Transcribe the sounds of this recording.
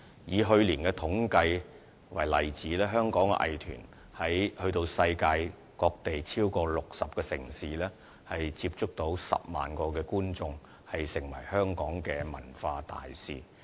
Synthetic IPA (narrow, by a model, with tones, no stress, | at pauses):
jiː˨˧ɦɵ˧ɥliː˨˩nkɛː˧t̪ʰʊ˨˥ŋkɐ˧j | wɐ˨˩jlɐ˨˩jt͡siː˨˥lɛː˥ɦœː˥ŋkɔː˨˥ŋɛ̰˧ʔɐ̰˨jt̪ʰy̰ː˨˩n | hɐ˨˥jhɵ˧ɥt̪o˧wsɐ˧jkaː˧j | kɔː˧k̚t̪e˨jt͡sʰiː˥wkɔː˧lʊ˨k̚sɐ˨p̚kɛː˧sɪ˨˩ŋsiː˨lɛː˥ | hɐ˨jt͡siː˧p̚t͡ʃʊ˥k̚t̪o˨˥wsɐ̰˨p̚ma̰ː˨˩nkɔː˧kɛː˧kuː˥nt͡sʊ˧ŋ | hɐ˨jsɪ˨˩ŋwɐ̰˨˩jhœː˥ŋkɔː˨˥ŋkɛː˧mɐ̰˨˩nfaː˧t̪a̰ː˨jsiː˨